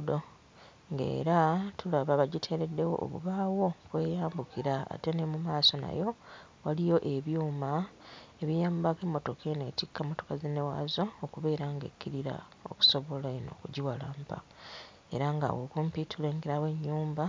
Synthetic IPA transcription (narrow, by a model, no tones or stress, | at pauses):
do | ŋɡe̞̰ːɾatulaβaβaɟitʰe̞ːɾe̞dːe̞wo̞̰ʔːβṵβaːwo̞kwe̞ːjaːmbukiɾa̰ːte̞nemumaːso̞na̰jo̞ | walijo̞ʔe̞βjuːmaeβijaːmbake̞mːo̞to̞kʰe̞netikːamːo̞to̞kazenewa̰ːzooːkuβe̞ːɾaŋɡe̞̰kːiɾiɾa̰ | o̞̰ku̥so̞βo̞laino̞̰ːkuɟiwalaːmpa̰ | e̞̰ɾaŋɡa̰wokuːmpitule̞ːŋɡe̞ɾawe̞ɲːuːmba